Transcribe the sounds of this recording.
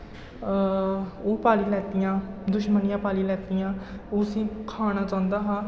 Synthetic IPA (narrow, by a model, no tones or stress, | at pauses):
oːpaːliːlɛːt̪ɪjãːd̪ʊʃmənɪjãːpaːliːlɛːt̪ɪjãːoːsĩːkʰaːñaːt͡ʃãːʊnd̪aːɦaː